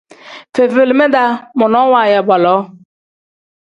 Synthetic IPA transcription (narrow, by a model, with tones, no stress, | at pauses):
fe˨ve˨lme˦da˦mʊ˨nɔ˨˦wa˨je˨bɔ˨lɔ˨˦